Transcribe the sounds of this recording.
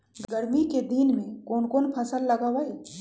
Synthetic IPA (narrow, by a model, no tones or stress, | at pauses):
ɡɡɐɾmiked̪iːnmẽkoːnkoːnpʰɐsəlːɐɡaːwae